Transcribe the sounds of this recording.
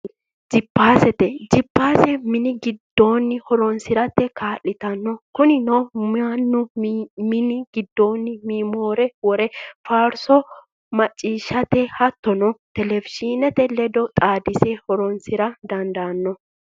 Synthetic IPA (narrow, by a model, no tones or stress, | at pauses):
d͡ʒɪpːaːsɛt̪ɛd͡ʒɪpːaːsɛmɪnɪɡɪd̪ːo̞ːnːɪhɔɾɔnsɪɾɐt̪ːɛkaːlːɪt̪ɐnːɔkʊnɪnɔanːʊmɪnɪɡɪd̪ːo̞ːnːɪmiːmoːɾɛwɔɾɛfaːɾsɔ | mɐt͡ʃʼːiːʃːɐt̪ɛhɐt̪ːɔnɔt̪ɛlɛvɪʃinɛt̪ɛlɛd̪ɔt̪ʼaːd̪ɪsehɔɾɔnsɪɾɐd̪ɐnd̪ɐnːɔ